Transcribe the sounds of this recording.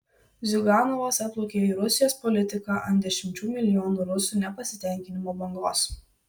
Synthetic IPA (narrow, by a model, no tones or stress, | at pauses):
zʲʊɡɑːnɔʋɐsɐt̪lˠokʲeːiːɾʊsʲɪjoːspɔlʲɪt̪ʲɪkɑːʔɐnd̪ʲɛʃʲɪmʲt͡ʃʲuːmʲɪlʲɪjɔːnuːɾʊsuːnʲɛpɐsʲɪ̥t̪ʲɛˑŋʲkʲɪnʲɪmoːbɐŋɡlˠo̰ːs